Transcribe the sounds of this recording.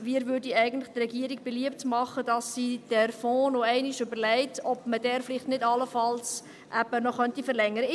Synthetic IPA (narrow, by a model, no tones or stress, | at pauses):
miːɾvʏɾdiɛɪɡən̩tlɪχtrɛɡiəɾik̚b̥eliəp̚tmɑχədɑsːid̥æɾfɔːnoɛɪniʃʏbəɾlɛɪtɔbməd̥ɛːɾfliχtnɪdɑlːəfɑls | ʔæbənɔχœntifəɾlɛŋːəɾə